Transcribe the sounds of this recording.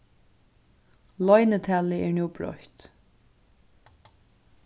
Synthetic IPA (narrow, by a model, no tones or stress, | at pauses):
lɔjnət̪ʰæːlɪɛɹnuwbɾɔ̰ht̪